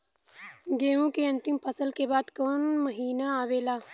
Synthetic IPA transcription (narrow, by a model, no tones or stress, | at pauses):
ɡeːʋũkeɐ̃nt̪impʰɐsəlkebaːd̪koːnmɐɦiːnaaːʋeːlaː